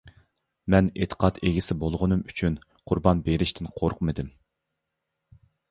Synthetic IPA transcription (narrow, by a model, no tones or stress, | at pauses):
mɛnet̪ʰə̥qʰɑt̪ʰeɡʲisɪbolˠʁʊnɨmyt͡ʃʰynqʰʊɾbɑnbeɾɪʃt̪ʰɪnqʰoɾqmɨd̪ɪm